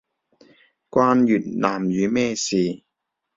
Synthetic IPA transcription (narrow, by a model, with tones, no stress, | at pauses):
kʷwaː˧njyː˨˩t̚naː˨˩mjyː˨˦mɛː˥siː˨